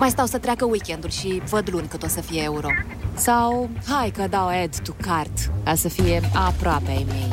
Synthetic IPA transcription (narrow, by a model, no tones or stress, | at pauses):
majst̪awsət̪ɾeakəwikʲend̪ulʲʃivəd̪lunʲkət̪ot̪səfijeeuɾo̞ | sawhajkəd̪awed̪t̪ukart̪kasəfije̞apɾoapeajmej